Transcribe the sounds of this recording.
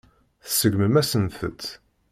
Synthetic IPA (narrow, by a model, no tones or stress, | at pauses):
θsəɡməmæsənθə̰t̪